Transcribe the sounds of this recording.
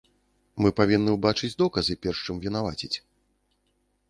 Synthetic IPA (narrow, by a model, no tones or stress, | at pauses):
mɨpavʲinːɨwbat͡ʂɨd͡zʲd̪ɔkɐzɨpʲɛrʂt͡ʂɨmvʲinavat͡sʲit͡sʲ